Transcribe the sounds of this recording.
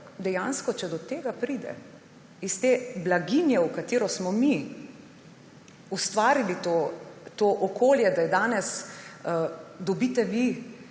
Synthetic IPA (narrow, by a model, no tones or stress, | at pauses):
d̪ɛjãnskɔt͡ʃɛd̪ɔt̪eːɡapɾid̪ɛ̰ | ist̪eblaɡinjɛukat̪eːɾɔsmɔmi | ust̪ʋaːɾilit̪ot̪oːʔɔkoːljɛd̪ajɛd̪aːnɛs | d̪ɔbit̪ɛʋi